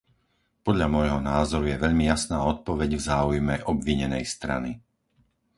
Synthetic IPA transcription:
pɔd̪ʎamɔjɦɔnaːzɔɾujɛʋɛʎmijasnaːɔt̪̚pɔʋɛɟvzaːujmɛʔɔbʋiɲɛnɛjst̪ɾa̰ni

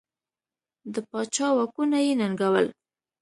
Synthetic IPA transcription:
d̪əpɑt͡ʃɑwakunajenaŋɡawəl

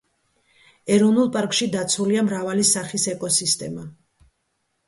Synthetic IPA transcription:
ɛɾɔvnulˠpʼaɾkʼʃid̪at̪sʰuliamɾavalisaχisɛkʼɔsist̪ʼɛma

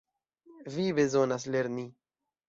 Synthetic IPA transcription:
vibe̞zonasle̞ɾni

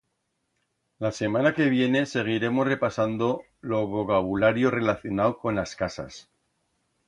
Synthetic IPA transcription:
lase̞manake̞β̞je̞ne̞se̞ɣ̞iɾe̞mo̞sre̞pasand̪o̞ | lo̞βo̞kaβulaɾjo̞re̞laθjo̞nawko̞nlaskasa̰s

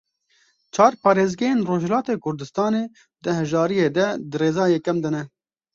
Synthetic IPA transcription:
t͡ʃʰɑːɾpɑːɾeːzɡɛjeːnroːʒɛlaːt̪eːkʰʊɾd̪ɨst̪ɑːneː | d̪ɨhɛʒɑːɾijeːd̪ɛd̪ɨɾeːzɑːjekɛmd̪ɨnɛ

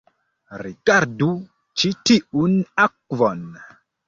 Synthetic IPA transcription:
riɡaɾdu | t͡ʃitiʔunak̚vɔn

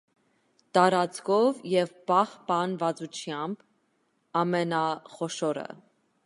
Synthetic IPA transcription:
t̪ɑɾɑt͡skʰɔvjɛvbɑχpɑnvɑt͡sut͡ʃʰjɑmb | ɑmɛnɑχɔʃɔɾə̰

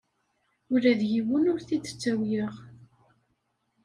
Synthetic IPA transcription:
ʊɾæðjiwənʊɾθid̪ə̥t͡sːæwjəʁ

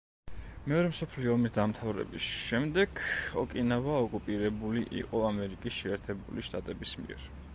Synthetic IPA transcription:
mɛɔɾɛmsɔpʰliɔːmisd̪amt̪ʰavɾɛ̰bisʃɛmd̪ɛɡ̥ɔ̰kʼinavaɔkʼupʼiɾɛbuliʔḭqʼɔamɛɾikʼisʃɛːɾt̪ʰɛbuliʃt̪ʼat̪ʼɛbismḭɛ̰ɾ

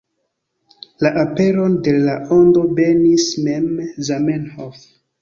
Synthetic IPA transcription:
laʔape̞ɾo̞nde̞lao̞ndo̞be̞nisme̞mzamenhof

